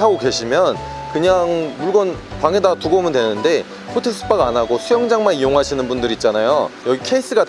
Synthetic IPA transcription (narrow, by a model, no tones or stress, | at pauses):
aɡoke̞ɕʰimjʌn | kɯɲaŋmuɭɡʌnpaŋedatuɡʌmɯndwe̞nɯnde̞ | pʰotʰes͈ʰɯ̥p͈aɡanaɡosʰujʌŋd͡ʑaŋmanijoŋɦaɕʰinɯnbundɯɾiːt̚t͡ɕ͈anajojʌɡikʰe̞is͈ɯɡat